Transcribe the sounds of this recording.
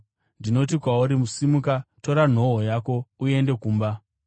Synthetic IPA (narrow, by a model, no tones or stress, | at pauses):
ndino̞tikwauɾimusimukato̞ɾan̤o̞ɦojako̞ue̞nde̞kuːmba